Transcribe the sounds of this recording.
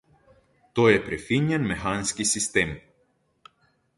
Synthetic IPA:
t̪oepɾefiɲenmexanscʲisist̪em

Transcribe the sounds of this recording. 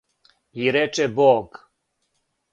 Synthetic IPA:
iɾɛt͡ʃɛbɔɡ

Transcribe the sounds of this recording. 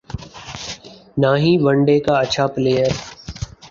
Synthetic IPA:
naːɦĩːʋəɳɖeːkaɐʃʰapleːjəɾ

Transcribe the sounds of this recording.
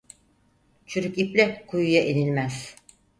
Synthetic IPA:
t͡ʃʰyɾyciplʲɛkʰujujaʔenilʲmæz̥

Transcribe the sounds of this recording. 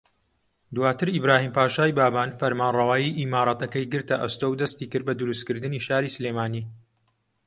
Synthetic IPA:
d̪waːt̪ɨɾibɾaːhiːmpaːʃaːjbaːbaːnfɐɾmaːnrɑwaːjiʔimaːɾˤɑːt̪ɐkɐjɡɨɾt̪ɐʔɐst̪owd̪ɐst̪iːkɨɾd̪̚bɐd̪ʊɾustkɨɾd̪ɨniʃaːɾiːsɨleːmaːniː

